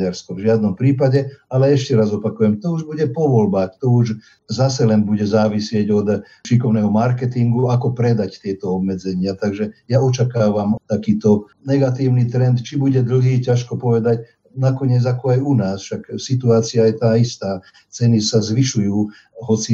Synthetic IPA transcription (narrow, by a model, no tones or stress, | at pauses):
ɟaɾskɔvʒɪad̪nɔmpɾiːpaɟɛalɛɛʃcɛɾazɔpakujɛmt̪ɔuʒbuɟɛpɔʋɔlbaːxt̪ɔuʒ | zasɛlɛnbuɟɛzaːʋisɪɛɟɔd̪ | ʃikɔʊnɛɦɔmaɾkɛt̪iŋɡuakɔpɾɛd̪act̪ɪɛt̪ɔɔbmɛd͡zɛɲɪat̪aɡʒɛjaɔt͡ʃakaːʋamt̪akiːt̪ɔ | nɛɡat̪iːʊnit̪ɾɛnt̪t͡ʃibuɟɛd̪l̩ɦiːcaʃkɔpɔʋɛd̪ac | nakɔɲɪɛd͡zakɔajunaːsfʃaksit̪uaːt͡siajɛt̪aːist̪aː | t͡sɛnisazʋiʃujuː | ɦɔt͡si